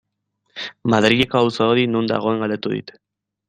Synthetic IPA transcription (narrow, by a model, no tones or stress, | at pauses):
maðɾiɣeko̞awsaoðinund̪a̰ɣ̞o̞e̞ŋɡald̪et̪uðḭt̪e̥